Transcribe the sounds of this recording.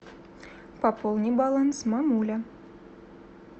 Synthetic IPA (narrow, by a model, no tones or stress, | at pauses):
pɑpolˠnʲibɑlˠɑnsmɑmulʲa